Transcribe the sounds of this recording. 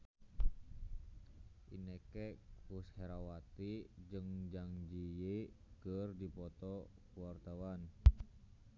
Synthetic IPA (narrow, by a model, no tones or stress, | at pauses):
ʔḭnekɛusheɾawat̪id͡ʒɨŋd͡ʒaŋd͡ʒije | kərdipɔt̪ɔkuwart̪awan